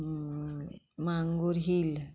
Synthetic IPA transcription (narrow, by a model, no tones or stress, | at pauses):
maŋɡuɾɦil